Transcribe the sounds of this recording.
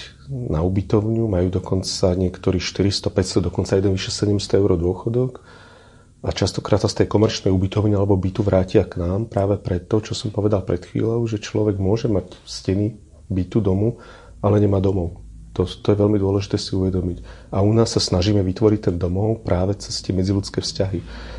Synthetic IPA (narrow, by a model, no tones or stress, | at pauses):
naubit̪ɔʊɲumajuːd̪ɔkɔnt͡saɲɪɛkt̪ɔɾiːʃt̪iɾist̪ɔpɛcst̪ɔd̪ɔkɔnt͡sajɛd̪ɛnʋiʃɛsɛɟɛmst̪ɔɛʊɾɔd̪ʊɔxɔd̪ɔk | at͡ʃast̪ɔ̥kɾaːt̪sast̪ɛjkɔmɛɾt͡ʃnɛjubit̪ɔʊɲialɛbɔbit̪uʋɾaːcɪaknaːmpɾaːʋɛpɾɛt̪ːɔt͡ʃɔsɔmpɔʋɛd̪alpɾɛt̪xʋḭːlɔʊʒɛt͡ʃlɔʋɛɡmʊɔʒɛmacscɛni | bit̪ud̪ɔmu | alɛɲɛmaːd̪ɔmɔʊ | t̪ɔt̪ɔjɛʋɛlmid̪ʊɔlɛʒit̪ɛːsiuʋɛd̪ɔmicaunaːsːasnaʒiːmɛʋit̪ʋɔɾict̪ɛnd̪ɔmɔʊpɾʔaːʋɛt͡sɛst̪ɛmɛd͡zilut͡skɛːfscaɦi